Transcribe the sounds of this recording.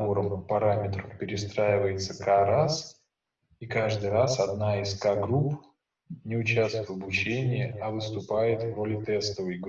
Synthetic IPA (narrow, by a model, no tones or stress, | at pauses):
oɾəmpɐɾamʲɪt̪ɾəpʲɪɾʲɪst̪ɾajɪvəjɪt̪səkaɾas | ikaʐd̪ɨjɾasɐd̪naɪskaɡɾup | nʲɪʊt͡ɕast̪ʊvɐbʊt͡ɕenʲɪjɪɐvɨst̪ʊpajɪt̪vro̞lʲɪt̪ɛst̪əvəjɡ